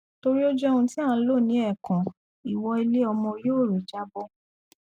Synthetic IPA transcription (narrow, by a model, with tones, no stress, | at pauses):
to˧ɾi˦ɔ˦d͡ʒɔ˦ɔ˧ũ˧ti˦ã˦˨˦lo˦˨nĩ˨˦ɛ˦˨kã˨ | i˨wɔ˧i˧le˦ɔ˧mɔ̃˧joː˦˨ɾo˨d͡ʒa˦bɔ˦